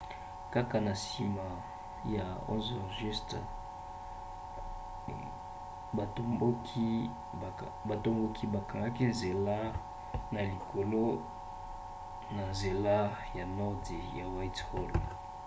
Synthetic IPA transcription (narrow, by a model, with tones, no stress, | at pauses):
ka˦ka˨na˨si˨ma˨ | ja˨ɔ̰˦zɔ˨ʒi˦st | a˨˦o˦kʰi˦˨ | ba˨to˦mɡo˦kʰi˦ba˨ka˨ŋɡa˦ki˦nze˨la˦ | na˨li˨kʰo˨lo˦ | na˨nze˨la˦ja˨nɔ˦ʁdi˨ja˨wa˦tho˦l